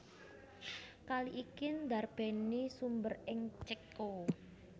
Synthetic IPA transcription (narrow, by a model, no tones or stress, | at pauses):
kaliʔikind̪a̤rb̥ɛ̤nisumbərɪŋt͡ʃəkːo